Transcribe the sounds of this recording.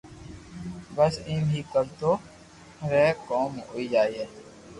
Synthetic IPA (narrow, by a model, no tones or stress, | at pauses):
bəsĩːmɦiːkəɾt̪oː | ɾɛːkoːmo̰ːid͡ʒaːieː